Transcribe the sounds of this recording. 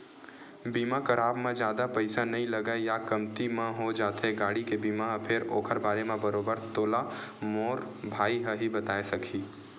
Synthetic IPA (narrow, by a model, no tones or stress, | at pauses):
biːmakɐɾaːbmẽd͡ʒjaːd̪apɐɪsanɐɦĩlɐɡajakɐmt̪imãɦod͡ʒaːt̪eɦeɡaːɽikebiːmapʰɪɾoːkʰəɾbaːɾemẽbɐɾoːbəɾt̪oːlamoːɾbʱaːiɦəɦibɐt̪aːesɐkʰiː